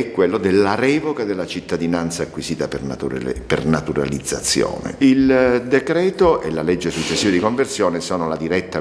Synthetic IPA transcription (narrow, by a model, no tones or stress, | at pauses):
ɛkːwelːod̪elːaɾɛːvokad̪elːat͡ʃit̪ːad̪inant̪saːkwisiːt̪apernat̪ṵpḛrnat̪uɾa̰lid̪zːa̰t̪sːjo̰ːnḛild̪ekɾɛːt̪oʔelalɛd͡ʒːesut͡ʃːesːiːvad̪ikoɱversjoːnesoːnolad̪iɾɛt̪ːa